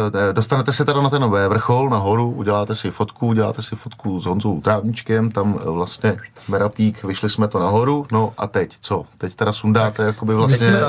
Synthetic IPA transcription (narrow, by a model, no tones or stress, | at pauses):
do̞st̪anɛt̪ɛsɛt̪ɛɾanat̪ɛnvɛvr̩xo̞lnaɦo̞ɾuuɟɛlaːt̪ɛsɪfo̞t̪kuuɟɛla̰ːt̪ɛsɪfot̪kuzɦonzoowt̪ɾaːvɲɪt͡ʃkɛmt̪amvlast̪ɲɛ | mɛɾapiːkvɪʃlɪsmɛt̪o̞naɦo̞ɾuno̞ʔa̰t̪ɛct͡so̞t̪ɛct̪ɛɾasundaːt̪ɛjakobɪvlasɲɛ